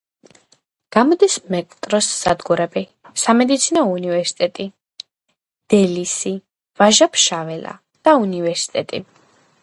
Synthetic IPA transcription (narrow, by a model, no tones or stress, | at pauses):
ɡ̥amɔd̪ismɛkʼt̪ʼɾɔsːad̪ɡuɾɛbi | samɛd̪it̪sʰinɔunivɛɾsi̥t̪ʼɛt̪ʼi | d̪̥ɛlisi | vaʒapʰʃavɛla̰ | d̪̥aunivɛɾsi̥t̪ʼɛt̪ʼḭ